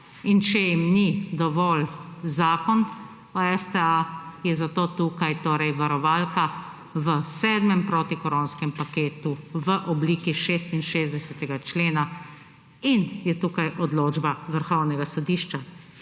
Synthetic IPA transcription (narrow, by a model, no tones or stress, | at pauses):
int͡ʃɛjimnid̪ɔʋɔlzaːkɔn | ɔɛst̪ɛajɛzat̪oːt̪uːkajt̪oːɾɛjʋaɾɔʋaːlka | ʋəsɛːd̪mɛmpɾoːt̪ikɔɾoːnskɛmpakeːt̪uʋəʔɔbliːkiʃeːst̪inʃeːzd̪ɛsɛt̪ɛɡat͡ʃleːna | injɛt̪ukajʔɔd̪loːd͡ʒbaʋəɾxɔwnɛɡasɔd̪iːʃt͡ʃa